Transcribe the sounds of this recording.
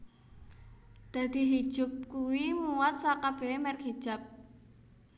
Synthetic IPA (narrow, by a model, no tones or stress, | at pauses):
d̪̥a̤d̪̥i̤ɦi̥ʒ̥ʊ̤p̚kuwimuwat̪̚sakab̥e̤mɛrkid̥ʒ̥a̤p̚